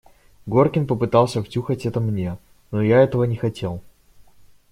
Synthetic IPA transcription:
ɡo̞rkʲɪnpəpɨt̪ɑlˠsʲəftʲuxətʲɛt̪əmnʲe̞ | nojaɛt̪əvənʲɪxɐtʲe̞lˠ

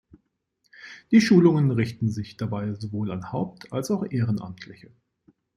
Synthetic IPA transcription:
d̥iːʃuːlʊŋənʁɪçtn̩zɪçd̥abaɪzovoːlanhaʊp̚tʰalsaʊxʔeːʁənʔa̰mtʰlɪçə

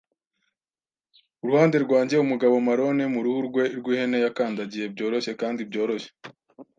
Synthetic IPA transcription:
uɾuhaːnde̞ɾɡwaːɲɟe̞umuɡaβo̞maɾo̞ne̞muɾuhuɾɡwe̞iɾɡwihe̞nejakaːndaɟije̞b̚ɟo̞ːɾo̞ʃe̞kaːndibɟo̞ːɾo̞ʃe

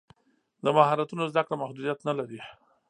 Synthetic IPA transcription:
d̪əmaɦɑɾat̪unozd̪akɽamahd̪ud̪ijat̪nalaɾi

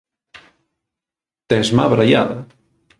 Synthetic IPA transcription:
t̪ezma̰βɾaja̰ða

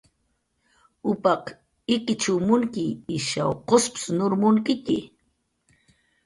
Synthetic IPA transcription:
ʊpɑq | ɪkɪt͡ʃʊmʊŋkɪːʃɑwqospsnʊɾmʊŋkɪkɪ

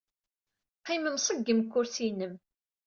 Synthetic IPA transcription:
qːiməmsˤəɡːəmkːʊɾθinəm

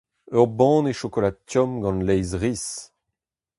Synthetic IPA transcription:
œʁbɑ̃ːneʃokolad̪̚tjɔmɡɑ̃nlɛjzʁis

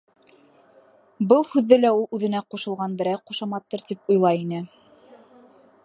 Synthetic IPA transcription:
bɤlˠhʉðːɘlæulˠʉðɘ̆næquʃɤ̆lˠʁɑnbɘ̆ɾæjquʃɑmɑt̪ːɤɾt̪ipujlˠɑinɘ

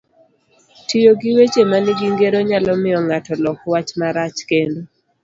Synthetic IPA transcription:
tɪjoɡɪwet͡ʃemaniɡiŋɡeɾoɲalɔmɪɔŋatɔlɔkwat͡ʃmaɾat͡ʃkendo

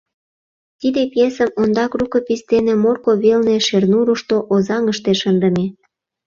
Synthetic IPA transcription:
t̪id̪epjesəmond̪ɑkrukə̆pist̪enemorkoβelneʃernuɾuʃt̪oʔozɑŋəʃt̪eʃənd̪ə̆me

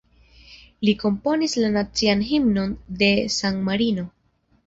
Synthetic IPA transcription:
liko̞mpo̞nislanat͡sianɦimno̞nde̞saŋmaɾino̞

